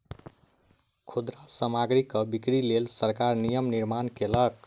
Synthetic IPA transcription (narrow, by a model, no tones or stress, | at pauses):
kʰod̪ɾasəmaɡɾikːəbikɾilelsəɾkaɾnijəmniɾmankelək̚